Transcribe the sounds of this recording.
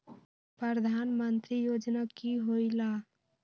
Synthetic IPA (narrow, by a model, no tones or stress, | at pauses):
pɾəɾd̪ʱanmənt̪ɾijod͡ʒnakiɦojla